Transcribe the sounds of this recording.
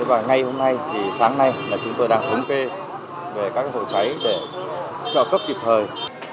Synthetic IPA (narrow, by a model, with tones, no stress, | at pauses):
vaː˨˩ŋa˨˩jho˧mna˧jt̪ʰi˨˩saː˨˦ŋna˧jmaː˨˩t͡ɕʊ˨˦ŋ͡mt̪o˧jɗaː˧ŋt̪ʰə˨˦ŋ͡mke˧ | ve˨˩kaː˦˥kho̰˧˨t͡ɕa˨˦jɗe˧˩ | t͡ɕɔ̰ː˧˨kə˦˥p̚ki˨˩p̚t̪ʰəː˨˩j